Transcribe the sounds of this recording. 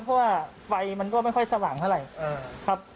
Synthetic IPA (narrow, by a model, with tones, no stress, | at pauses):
pʰːɔ˦˥waː˥˩ | wa˧jma˧nkɔ˥˩ma˥˩jkʰɔ˥˩jsa˧waː˨˩˦ŋt̪ʰa˥˩ɾa˨jɤː˧kʰa˦˥p̚